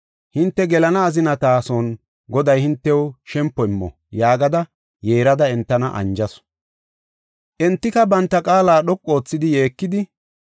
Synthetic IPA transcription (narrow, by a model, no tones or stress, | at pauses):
hɪnt̪ːɛɡɛlɐnɐːzɪnɐt̪aːsɔn | ɡɔd̪ɐjhɪnt̪ːɛwʃɛmpːɔɪmːɔ̰ | jaːɡɐd̪ɐ | je̞ːɾɐd̪ɐɛnt̪ːɐnɐʔɐ̰nd͡ʒɐs | ʔɛnt̪ːɪkɐbɐnt̪ːɐkʼaːlaːɗɔkʼːo̞ːt͡sːɪd̪ɪjeːkːɪd̪ɪ